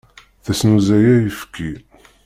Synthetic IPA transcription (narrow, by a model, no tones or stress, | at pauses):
θæsnuzæjæjəfkʰːi